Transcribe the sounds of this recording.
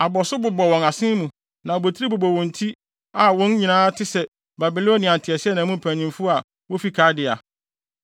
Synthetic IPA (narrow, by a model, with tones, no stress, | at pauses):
a˨bɔ˨sʊ˦bʊ˨bɔ˨wɔ̃˨na˨sɪ̃˦mũ˨ | nã˨bo˨tʰɾi˦bʊ˨bɔ˨wɔ̃˨n˨tʰi˦ | a˨wɔ̃˦n˦ɲĩ˨nãː˦tʰɪ˦sɛ˨ | ba˨bi˨lo˦nːɪ̃˨ã˨ntʰɪ˨ɛ˨sɪ˦ɛ˦nã˨mũ˦m̩˨pʰæ̃˨ɲĩ˨mfʊ˦a˨ | wɔ˦fi˨kʰaː˦dɪ˨a˨